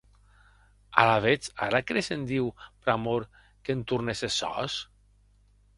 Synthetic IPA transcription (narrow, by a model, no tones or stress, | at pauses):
a̰laβ̞et͡sa̰ɾakɾesend̪iwpɾamoɾ | kent̪urnesesɔ̰s